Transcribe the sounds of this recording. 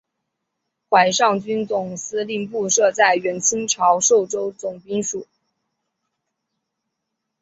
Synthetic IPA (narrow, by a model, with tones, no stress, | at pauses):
xwa˧˥ɪʂɑ˥˩ŋt͡ɕy˥nt͡sʊ˨˩ŋsɹ̩˥li˥˧ŋpu˥˧ʂɤ˥˧t͡sa˥˩ɪɥɛ˧˥nt͡ɕʰi˥ŋʈ͡ʂʰɑ˧˥ʊʂo˥˩ʊʈ͡ʂo˥ʊt͡sʊ˨˩ŋpi˥ŋʂu˨˩˦